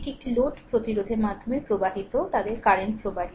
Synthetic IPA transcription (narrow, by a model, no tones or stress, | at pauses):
ʈikʈiloʈpɾot̪iɾod̪ʱeɾmad̪ʱːomepɾobaɦit̪ot̪ad̪eɾkaɾeɳʈpɾoba